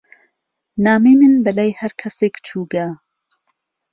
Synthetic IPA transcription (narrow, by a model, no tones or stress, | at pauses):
naːmeːmɨnbɐlaːjhɐɾkʰɐseːkt͡ʃʰuːɡa